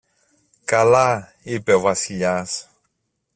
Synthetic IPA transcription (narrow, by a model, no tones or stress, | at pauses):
kala | epɛvasiʎas